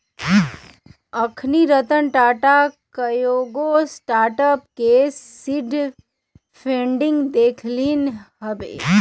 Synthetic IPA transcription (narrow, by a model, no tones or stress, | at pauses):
əkʰniɾət̪ənʈaːʈakəjoɡosʈaːɾʈəpkesiɖ | pʰẽːɳɖɪ̃ŋɡd̪eːkʰlinɦəbḛː